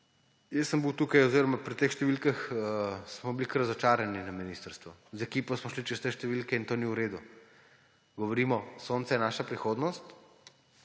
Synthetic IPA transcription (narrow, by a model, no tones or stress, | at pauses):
jəsəmbiwt̪uːkajɔziːɾɔmapɾit̪eːxʃt̪ɛʋilkaxsmɔblikɾɐzɔt͡ʃaːɾaninɐminiːst̪əɾst̪ʋɔzɛkiːpɔsmɔʃlit͡ʃst̪ɛʃt̪ɛʋilkɛint̪oːniuɾeːd̪u | ɡɔʋɔɾiːmɔsont̪sɛjɛnaːʃapɾixoːd̪nɔst̪